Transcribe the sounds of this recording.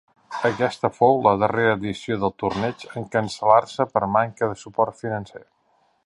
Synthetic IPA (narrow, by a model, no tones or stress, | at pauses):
əkɛst̪əfowləð̞əreɾəːðisioðəlˠt̪urnɛt͡ʃəŋkənsəlarsəpəɾmaŋkəðəsupɔrt̪finənse